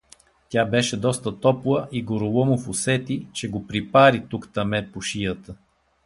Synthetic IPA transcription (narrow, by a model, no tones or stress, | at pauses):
t̪ʲjabɛʃɛd̪ɔst̪ət̪ɔplˠəʔiɡoɾʊlˠɔmʊfʊsɛt̪it͡ʃɛɡopɾipaɾit̪ukt̪ɐmɛt̪̚pʊʃijət̪ə